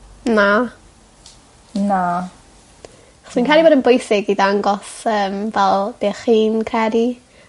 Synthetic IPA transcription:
na | na | aχɔswĩnkʰɛɾiboːdənbʊjsɪɡiðaŋɡɔsəːmvɛlˠb̥eːχiːnkʰɛɾi

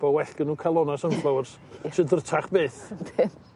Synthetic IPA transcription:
b̥ɔwɛɬkənuːkʰalˠɔnasənflˠawrs | ʃədərtʰaχbeːθdɪ

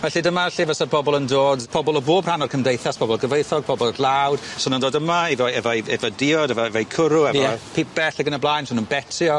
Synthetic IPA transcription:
vɛɬidəmaɛɬivəsɔpʰɔbɔlˠəndoːdpʰɔbɔlˠəboːbr̥anɔrkʰəmdejθaspʰɔbɔlˠɡəvejθɔɡ̚pʰɔbɔlˠlˠawd̥sʊnəndoːdəmaivɔɛvɔjɛvɔdɪɔdɛvɔɛvɔjkʰʊɾʊɛjɔɛpʰip̚b̥ɛɬɛɡənəblˠaːjnsʊnənbɛtʰjɔ

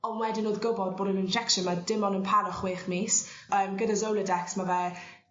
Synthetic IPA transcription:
ɔnwɛdɪnoːðɡʊbɔd̚boːdənɪnd͡ʒɛkʃənmadɪmɔnənpʰaɾɔχweːχmiːs | əːmɡədazowlˠədɛksmavɛ

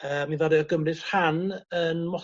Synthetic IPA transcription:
əːmivaɾɨɔɡəmrɨr̥hanənmɔ

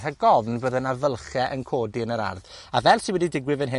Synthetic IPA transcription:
raɡɔvnvoːðənavəlˠχjɛʔənkʰoːdiənəɾa̰rðavɛlˠsinwɛdidɪɡwɪvənɦɪ

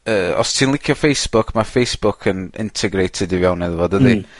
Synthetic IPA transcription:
əːɔ̰stʰiːnlˠɪkʰjɔfejsb̥ʊkʰmafejsb̥ʊkʰənɪ̰ntʰɛɡɾejtʰɪdɪvjawnɛðvɔdəði

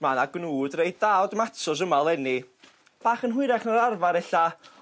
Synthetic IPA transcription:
manaɡnuːdrejddawdmatʰɔs̬əmalˠɛni | b̥aːχənɦʊɨɾaχnaɾarvaɾɛɬa

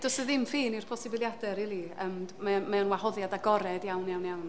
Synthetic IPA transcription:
d̥ɔsɨðɪmfiːnirpʰɔsɪbɪlˠjadɛɾɪlˠiəmmɛmɛɔnwahɔðjadaɡɔɾɛdjawnjawnjawn

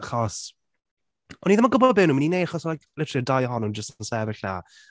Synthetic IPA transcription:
aχɔs | ɔniðamaɡʊbɔbɪːnuːmininejdaχɔslajkʰlɪtʰrɨdajɔɦɔnud͡ʒəstnsɛvɪɬna̰

